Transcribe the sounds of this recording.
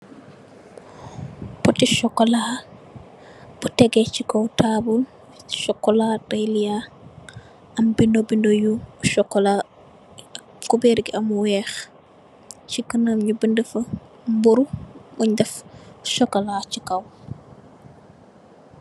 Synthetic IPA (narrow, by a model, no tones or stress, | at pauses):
pɔtiʃɔkːɔla | b̥utɛɡɛt͡ʃikɔwtaːbul | ʃɔkːɔladɐjlija | ɐmbindobindojuʃɔkːɔla | ɐ | kubɛɾɡiɐmuwɛːx | t͡ʃikənəmɲubəndəfɐ | mbuɾumuɲdɛfʃɔkːɔlaːt͡ʃikɐw